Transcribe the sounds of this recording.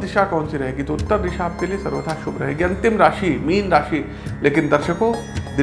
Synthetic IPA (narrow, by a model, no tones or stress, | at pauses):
d̪ɪʃakɔːnsiɾɐɦeːɡit̪oʊt̪ːəɾd̪ɪʃaːp̚keliesɐɾʋəd̪ʱaʃʊbʱɾɐɦeːɡiɐ̃nt̪ɪmɾaːʃimiːnɾaːʃiː | leːkɪnd̪ɐɾʃəkõ | d̪ɪ